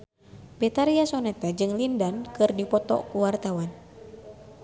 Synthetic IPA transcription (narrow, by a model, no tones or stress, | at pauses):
pɛt̪aɾiasɔnɛt̪ad͡ʒɨŋlindankɨrdipɔt̪ɔ̰kuwart̪awan